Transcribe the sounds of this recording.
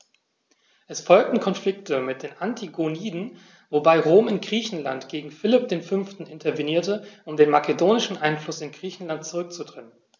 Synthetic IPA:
ʔɛsfɔlk̚tn̩kʰɔnflɪk̚təmɪt̚d̥eːnʔantʰiɡoniːdn̩ | vobaɪʁoːmɪnɡ̥ʁiːçn̩la̰ntɡ̥eːɡŋ̩fɪlɪp̚d̥eːnfʏnftn̩ɪntʰɐviniːɐtəʔʊmdeːnmakedoːnɪʃn̩ʔaɪnflʊsɪnɡʁiːçn̩lant̚t͡suʁʏk̚t͡sudʁ̥ɛnən

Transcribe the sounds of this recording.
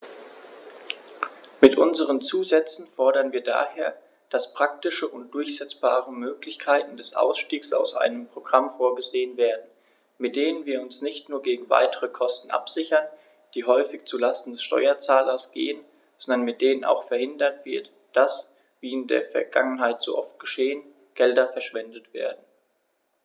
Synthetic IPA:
mɪtʔʊnzəʁ̞ənt͡suːzɛt͡sn̩fɔɐɾɐnviːɐda̰ːheːɐ | d̥aspʁ̥ak̚tɪʃəʔʊnt̚d̥ʊɐçz̥ɛt͡sb̥a̰ːʁəmøːklɪçkʰaɪtn̩dɛsʔa̰ʊsʃtiːksa̰ʊsʔa̰ɪnəmpʁ̥oɡ̥ʁamfoːɐɡəzeːənveːɐdn̩ | mɪt̚d̥eːnənviːɐʊnsnɪçtnuːɐɡeːɡŋ̩va̰ɪtəʁəkʰɔstn̩ʔa̰pz̥ɪçɐn | d̥iːɦɔʏfɪçt͡sulastn̩dɛsʃtɔ̰ʏɐt͡saːlɐsɡ̥ḛːən | z̥ɔndɐnmɪt̚d̥eːnəna̰ʊxfɛɐhɪndɐtv̥ɪɐt | d̥as | viːɪndḛːɐfɛɐɡa̰ŋənɦaɪtz̥o̰ːʔɔft̚ɡ̥əʃeːən | ɡ̥ɛldɐfɛɐʃv̥ɛndətv̥ḛːɐdn̩

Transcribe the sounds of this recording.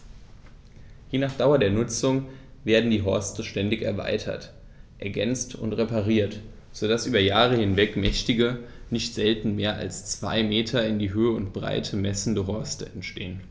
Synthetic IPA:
hinaːχd̥aʊɐdeːɐnʊt͡sʊŋveːɐdn̩diːɦɔɐstəʃtɛndɪçɛɐva̰ɪtʰɐ̰t | ʔɛɐɡɛnt͡stʊ̰ntʁepaʁ̞iːɐt | z̥odasʔyːbɐjaːʁəhɪnvɛkmɛçtɪɡənɪçtz̥ɛltn̩meːɐa̰lst͡sv̥a̰ɪmeːtʰɐɪndiːɦøːəʊntb̥ʁa̰ɪtʰəmɛsn̩dəɦɔɐstəɛntʃteːən

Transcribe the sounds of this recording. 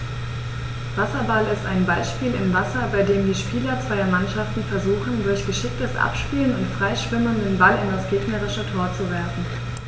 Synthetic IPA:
v̥asɐbalɪstaɪnbaɪʃpiːlɪmvasɐbaɪdeːmdiːʃpiːlɐt͡sv̥aɪɐmanʃaftn̩fɛɐzuːxn̩dʊɐçɡ̥əʃɪk̚təsʔa̰pʃpiːlənʊntfʁ̥aɪʃv̥ɪməndenbalɪ̰ndasɡ̥eːɡnəʁɪʃətʰoːɐt͡suvɛɐfn̩

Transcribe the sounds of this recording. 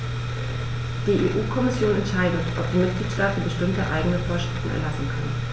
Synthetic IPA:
d̥iːʔeːʔuːkʰɔmɪsjoːnɛntʃaɪdətʰʔɔp̚d̥iːmɪt̚ɡ̥liːtʃtaːtən̩bəʃtɪmtəʔa̰ɪɡənəfoːɐʃʁ̥ɪftn̩ɛ̰ɐlasn̩kʰan

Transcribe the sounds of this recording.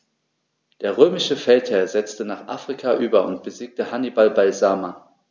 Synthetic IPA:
d̥eːɐʁøːmɪʃəfɛlthɛɐzɛt͡stənaːχʔa̰ːfʁ̥ikʰaʔyːbɐʊ̰ntb̥əziːk̚təhanibalbaɪzaːma

